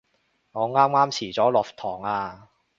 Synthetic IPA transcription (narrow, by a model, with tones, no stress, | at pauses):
ŋɔː˨˧ŋaː˥mŋaː˥mt͡sʰiː˨˩t͡sɔː˨˥lɔː˨˩f̚t̪ʰɔː˨˩ŋaː˧